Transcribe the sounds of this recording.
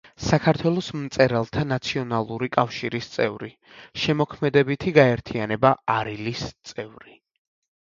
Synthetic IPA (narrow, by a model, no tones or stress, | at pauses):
sakʰaɾt̪ʰwɛlˠɔsmt̪sʼɛɾalˠt̪ʰanat̪sʰiɔnalˠuɾikʼafʃiɾist̪sʼɛvɾi | ʃɛmɔkʰmɛd̪ɛbit̪ʰiɡaɛɾt̪ʰianɛbaaɾilist̪sʼɛvɾi